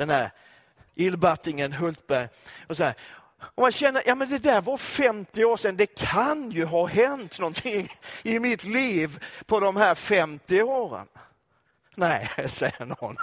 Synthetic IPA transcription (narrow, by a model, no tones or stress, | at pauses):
d̪̥ɛndæɾ | ʔɪlːbat̪ːɪŋənɦɵlt̪̚bæɾjɔs̬ɔæːɾ | ɔmjaɕɛnːəɾjʔɑːmɛnd̪ɛd̪æɾvɑɾfɛmt̪ɪoːʂɛnd̪ɛkʰanjɵɦɑɦɛnt̪nɔnt̪ʰɪŋɪmɪt̪liːvpʰɔd̪ɔmɦæːɾfɛmt̪ɪoːɾə̰n | nɛɪsɛjːə̰ɳɔn